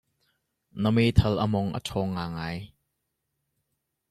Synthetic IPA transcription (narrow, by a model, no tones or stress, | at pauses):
nəmet̪ʰɐlʔəmɔŋʔə̰tʰɔːŋːaːŋaːj